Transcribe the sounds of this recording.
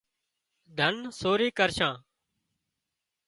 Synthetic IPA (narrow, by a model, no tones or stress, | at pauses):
d̪ʱənsoːɾiːkəɾʃãː